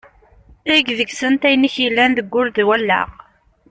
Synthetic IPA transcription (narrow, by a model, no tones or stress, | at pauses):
æɡðəɡsənt̪æjniçilːænðəɡːʊld̪wælːæ̰ʁ